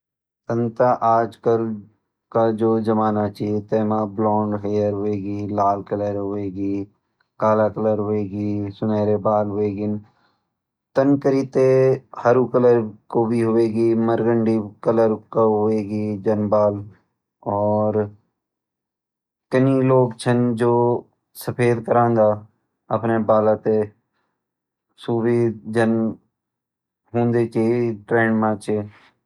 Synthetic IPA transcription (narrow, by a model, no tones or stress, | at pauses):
t̪ə̃nt̪aʔaːd͡ʒkəl | kad͡ʒoːd͡ʒəmaːnat͡ʃiet̪eːmablɔ̃ːɳɖɦeːjəɾɦoeːɡilaːlkələɾɦoeːɡiː | kaːlakələɾɦoeːɡiːsʊnɛːɾebaːlɦoeːɡɪn | t̪ənkəɾit̪ehəɾukələɾkobʱiɦoeːɡiməɾɡəɳɖikələɾkaɦʊeːɡid͡ʒənbaːl | ɔːɾ | kəniloːɡt͡ʃʰənd͡ʒoː | səpʰeːd̪kəɾãːnd̪aː | əpnebaːlat̪e | suːbiːd͡ʒən | ɦũːnd̪ekiʈɾẽːɳɖmãːt͡ʃe